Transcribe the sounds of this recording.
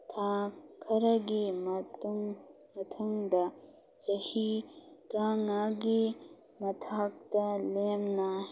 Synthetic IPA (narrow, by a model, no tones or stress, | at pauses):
t̪ʰaːkʰɐɾɐɡimt̪ŋ | mɐt̪ʰɐŋd̪ɐ | t͡ʃɐhit̪ɾaːŋaɡi | mɐt̪ʰaːk̚t̪ɐleːmna